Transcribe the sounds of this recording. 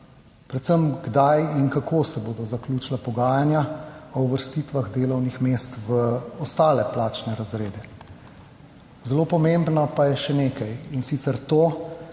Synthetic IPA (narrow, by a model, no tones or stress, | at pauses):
pɾɛt̪səmɡd̪ajinkakʰoːsɛboːd̪ɔzakluːt͡ʃlapɔɡaːjanjaɔuʋəɾst̪iːt̪ʋaɣd̪eːlɔwnixmeːst̪ʋəɔst̪aːlɛplaːt͡ʃnɛɾazɾeːd̪ɛ | zɛloːpɔmembnɔpajɛʃɛneːkajinsit̪sɛɾt̪oː